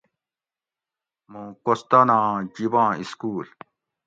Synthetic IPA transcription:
mũːkost̪anãːd͡ʑibãːiskuːl

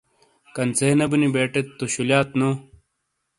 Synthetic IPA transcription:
kɐnt͡seːnɐbunibeːʈet̪ːoɕuljaːt̪no

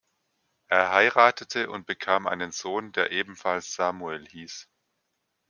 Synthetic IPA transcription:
ʔeːɐɦaɪʁaːtətʰəʊ̰nt̚b̥əkʰaːmʔa̰ɪnənzoːndeːɐʔeːbm̩falsz̥aːmuɛlhiːs

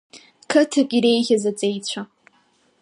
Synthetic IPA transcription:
kʰɨtʰɨkʲʼiɾejɣʲɐzat͡sʼejt͡ɕʷʰa

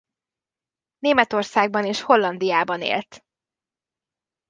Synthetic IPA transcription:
neːmɛt̪o̞rsaːɡ̚bɒneːʃho̞lːɒnd̪ijaːbɒnḛːlt̪

